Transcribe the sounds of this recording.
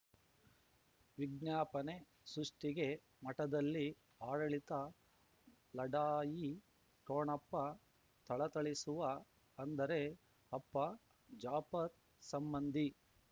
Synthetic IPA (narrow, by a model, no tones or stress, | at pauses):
ʋiɡnjaːpɐne̞ | sɾuʂʈiɡe̞ | mɐʈɐd̪ɐlːi | aːɽɐɭit̪ɐ | lɐɖaːji | ʈoːɳɐpːɐ | t̪ɐɭɐt̪ɐɭisuʋɐː | nd̪ɐɾe̞ | ɐpːɐ | d͡ʒaːpɐɾ | sɐmbɐnd̪ʱi